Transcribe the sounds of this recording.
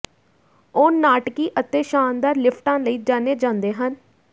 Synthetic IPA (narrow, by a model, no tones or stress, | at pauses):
ʊnːaːʈkiːʔət̪eːʃaːnd̪aːɾlɪpʰʈãːləiːd͡ʒaːneːd͡ʒãːnd̪eːɦən